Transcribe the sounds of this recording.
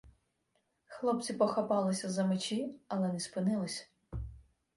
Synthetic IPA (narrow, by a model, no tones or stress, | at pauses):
xlˠɔp̚t͡sʲipɔxɐpɑlˠɪsʲɐzɐmɪt͡ʃʲiɐlˠɛnɛspɪnɪlˠɪsʲ